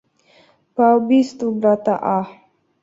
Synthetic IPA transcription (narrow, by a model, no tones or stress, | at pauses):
pabist̪ubɾat̪aʔah